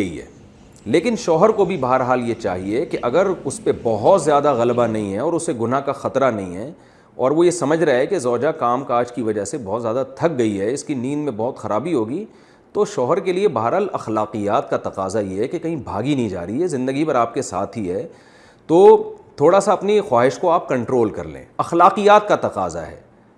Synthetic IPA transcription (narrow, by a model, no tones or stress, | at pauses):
ɐḭɦɛ̰ː | leːkɪnʃɔːɦəɾkobʱibɐɦəɾɦaːljet͡ʃa̰ːɦiekeʔɐɡəɾʊspebɐɦɔt̪zjaːd̪aɣɐlbanɐɦĩɦɛɔːɾʊsːeɡʊnakaxɐt̪ɾanɐɦĩɦɛː | ɔːɾʋojesɐməd͡ʒʱɾaɦɛkezɔːd͡ʒakaːmkaːd͡ʒkiʋɐd͡ʒasebɔːt̪zjaːd̪at̪ʰɐk̚ɡɐiɦɛɪskiniːnmẽbɔɦʊt̪xɐɾaːbiɦoːɡi | t̪oːʃɔːɦəɾkeliebaːɾalɐxlaːqijaːt̪kat̪ɐqaːzajeɦɛkekɐɦĩbʱa̰ːɡinɐɦĩd͡ʒa̰ːɾiɦɛzɪ̃nd̪əɡipɐɾaːp̚kesa̰ːt̪ʰɦiɦɛː | t̪oːt̪ʰoːɽasaɐpnixwaːɦɪʃkoaːp̚kɐ̃ɳʈɾoːlkɐ̰ɾlḛ̃ːɐxlaːqijaːt̪̚kat̪ɐqa̰ːza̰ɦɛ̰ː